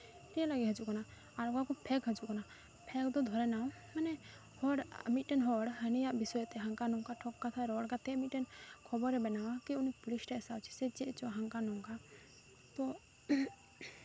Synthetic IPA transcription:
ʈɛalaɡiɦəd͡ʒuʔkana | aɾɡakɔpʰɛkɦəd͡ʒuʔkana | pʰɛkd̪ɔd̪ʱɔɾɛnaw | manɛ | hɔɽmit̪̚ʈɛnɦɔɽɦənijaʔbisɔjɔt̪ɛɦaŋkanɔŋkaʈʰɔkːat̪ʰaɾɔɽkat̪ɛmit̪̚ʈɛnkʰɔbɔɾɛbɛnawakiuniplisʈɛsawt͡ʃʰi̥sɛt͡ʃɛʔt͡ʃɔɦaŋkanɔŋka | t̪ɔ

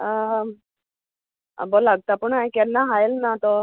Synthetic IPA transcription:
ə | bolaɡ̚t̪apəɳɦajkɛnːaɦajelnat̪ɔ

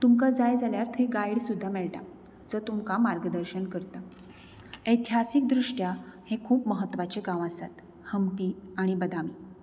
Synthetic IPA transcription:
t̪umkad͡zajd͡zaljaɾt̪ʰiɡaiɭsud̪ʱːamɛɭʈa | d͡zət̪umkamaɾɡəd̪əɾɕənkəɾt̪a | əjt̪iɦasik̚d̪ɾuʂʈjahekʰuːpməɦət̪ːʋat͡ɕeɡãʋasat̪ | həmpiaɽ̃ibəd̪amiː

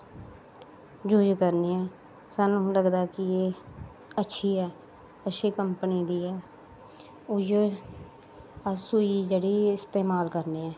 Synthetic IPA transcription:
d͡ʒuːd͡ʒkəɾneːɛː | saːnũːləɡd̪aːkɪje | ətːʃʰiːɛː | ətːʃʰiːkəmpəniːd̪iːɛː | ojo | suid͡ʒeɽiːɪst̪eːmaːlkəɾneːɛː

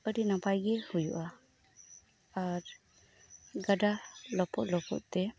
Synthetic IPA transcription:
əɖinapajɡɛhujuʔa | aɾ | ɡaɖalɔpɔʔ̪lɔpɔ̰t̪̚t̪ɛ

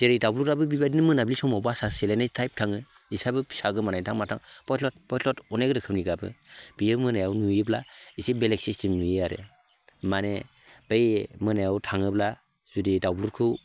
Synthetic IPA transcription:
z̥eɾijdawbluɾabɯbibadinɯmɯnablisɔŋmabasaselajnajtʰajp̚tʰaŋɯ | isabɯpʰi̥saɡɯmanajtʰaŋmatʰaŋpɔjtʰlɔt̚pɔjtʰlɔtɔneɡɯdɯkʰɯmniɡabɯ̰b̥ijɯmɯnajawnujɯblaisibelek̚sistimːɯjaɾḛ | mane | b̥ejmɯnajawtʰaŋɯbla | z̥udidawbluɾkʰu

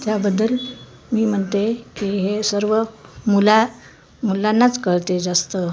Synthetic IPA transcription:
t̪jabəd̪ːəl | miːm̤əɳt̪ekiɦesəɾʋəmula | mulanːat͡skəɭt̪ed͡zast̪ə

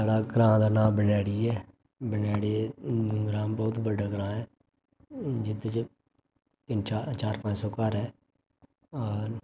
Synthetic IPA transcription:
aːɽaːɡɾãːd̪aːnãːbəɳaːɽiːɛː | bənɛːɽeːɡɾãːbɔːt̪bəɖaːɡɾãːɛː | d͡ʒɪt̪t͡ʃ | t̪ɪnt͡ʃat͡ʃaːɾpə̃ːd͡ʒsoːkəɾɛː | ɔːɾ

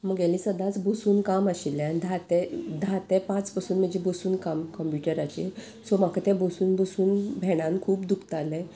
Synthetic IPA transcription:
məɡalisəd̪ʱat͡sbosuːnkaməɕilad̪ʱat̪ɛd̪ʱat̪ɛ̃pãt͡spasuːnm̤əd͡ʑibosuːnkamkɔmpjuʈəɾat͡ɕe | sɔm̤akʰət̪ɛ̃bosuːnbosuːnbʱɛɽ̃ãnkʰuːpd̪ukt̪alɛ̃

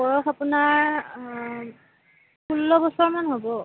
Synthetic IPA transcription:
bɔɹɔkʰapunaɹɹ | pʰulːɔbɔsɔɹmanɦobɔ

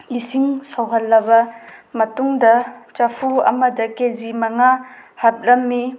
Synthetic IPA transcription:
isiŋsɐwɦɐlːɐbɐmɐtuŋdɐt͡ʃɐpʰuɐ̰mɐdɐkezimɐŋahɐp̚lɐmːi

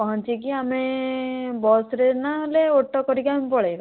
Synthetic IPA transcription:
ɔɦɔnt͡ʃikiame | bɔsɾenaɦoleoʈːɔkɔɾikamipɔɭajba

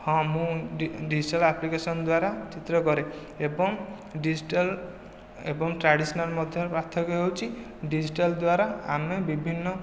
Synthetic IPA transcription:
hɔ̃mũɖid͡ʒʱiʈalaplikesɔnɔd̪waɾat͡ʃit̪ɾɔkɔɾe | ebɔŋ | ɖid͡ʒiʈal | ebɔŋʈɾaɖisɔnalmɔd̪ʱjɔɾpɾaɾt̪ʰɔkɔɦewt͡ʃʰi | ɖid͡ʒiʈald̪waɾaa̰mebibʱinːɔ

